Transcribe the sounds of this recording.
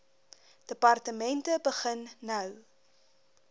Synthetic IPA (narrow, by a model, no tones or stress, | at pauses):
d̥əpɐrtəmɛntəbəχənːɐw